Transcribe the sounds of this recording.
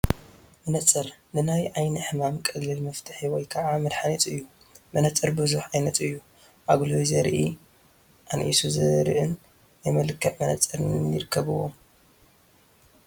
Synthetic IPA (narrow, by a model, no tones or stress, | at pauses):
mɨnɐt͡sʼɨɾnɨnajʕajniħɨmamkʼɐɡlɨlmɐft̪ʰɨ̥ħiwɔjkʰɐʕamɨd̪ħanit̪ʼɨjːu | mɐnɐt͡sʼɨɾbɨzuħajnɐt̪ʼɨjːu | ʔaɡlujzɐɾʔi | ʔanʔḭsuzɐɾ̰ʔɨnː | ajmɐlɨkʰːɐʔmɐnɐt͡sʼɨɾɨnjɪɾɨkʰːɐβɨwo̰m